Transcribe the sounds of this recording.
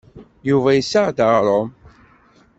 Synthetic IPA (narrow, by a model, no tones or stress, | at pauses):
juvæjəsːəʁd̪əʁɾˤom